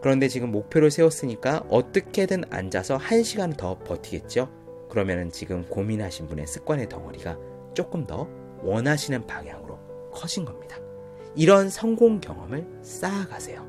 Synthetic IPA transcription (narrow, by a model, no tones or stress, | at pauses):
kɯɾʌnde̞t͡ɕiɡɯmːok̚pʰjoɾoɭsʰe̞wʌs͈ɯɲik͈aʔʌt͈ʌkʰe̞dɯna̰nd͡ʑasʰʌhanɕʰiɡanɯntʌpʌtʰiɡe̞t̚t͡ɕ͈io | kɯɾʌmjʌnɯnt͡ɕiɡɯmkominɦaɕʰinbune̞sʰɯ̥k͈wʌne̞tʌŋʌɾiɡa | t͡ɕ͈ok͈ɯmdʌ | wʌnɦaɕʰinɯnpaŋja̰ŋɯɾo | kʰʌd͡ʑʰinɡʌmɲid̥a | iɾʌnsʰʌŋɡoŋkjʌ̰ŋʌmɯɭ | s͈aːɡasʰe̞jo